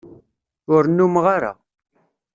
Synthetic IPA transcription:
ʊɾnːumʁaɾa̰

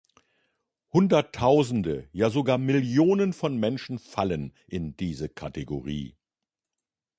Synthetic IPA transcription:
hʊndɐtʰːaʊzn̩dəjaːzoɡaːɐmɪljoːnənfɔnmɛnʃn̩falənʔɪndiːzəkʰateɡo̰ʁḭː

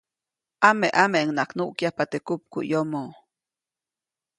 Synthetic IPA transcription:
ʔameʔameŋnaknuʔkjahpat̪ekup̚kṵʔjomo

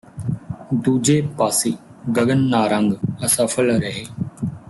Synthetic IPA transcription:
d̪uːd͡ʒeːpaːsiːɡəɠənːaːɾə̃ŋɡəsəfʰəlɾəɦeː

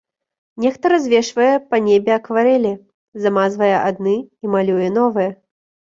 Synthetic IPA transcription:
nʲɛxt̪ɐɾazʲvʲɛʂvɐjɛpɐnʲebʲɛɐkvaɾɛlʲi | zamazvɐjɛʔad̪nɨimalʲujɛn̪ɔvɨjɛ

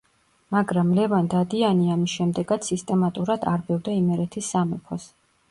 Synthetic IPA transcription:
maɡɾamlɛvand̪ad̪ianiamisʃɛmd̪ɛɡat̪ssist̪ʼɛmat̪ʼuɾad̪aɾbɛvd̪aimɛɾɛt̪ʰisːamɛpʰɔs

